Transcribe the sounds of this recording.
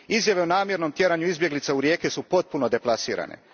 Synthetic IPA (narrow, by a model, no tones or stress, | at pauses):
izjaʋe̞onaːmje̞ɾno̞mt̪ʲje̞ɾaɲuizbjeɡlit̪sauɾje̞ːkesupo̞t̪̚punod̪e̞plˠasḭːɾa̰ːne̞̰